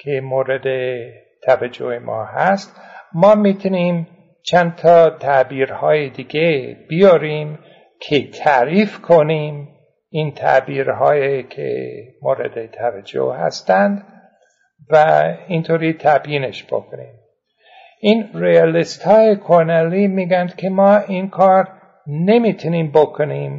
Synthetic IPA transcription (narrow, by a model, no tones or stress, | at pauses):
kʰemoːɾed̪e | t̪ʰævæd͡ʒohemʔɒ̰ːhæst̪ | mɒːmit̪ʰuniːm | t͡ʃʰænt̪ʰɒːt̪ʰæbiːɾhɒːjed̪iːɡeb̥ijɒɾiːm | kʰet̪ʰæːɾiːfkʰoniːm | iːnt̪ʰæ̰biːɾɦɒːjekʰḛmoɾḛd̪et̪ʰævæd͡ʒo̰hhæ̰st̪ænd̪ | væint̪ʰoːɾit̪ʰæbjiːneʃb̥o̰kʰoniːm | ʔiːnrijɑlist̪hɒːjekʰoɾnæliːmiːɡænd̪̥kʲʰemɒːiːnkʰɒːɾ | ne̞mit̪ʰuniːmbokʰoniːm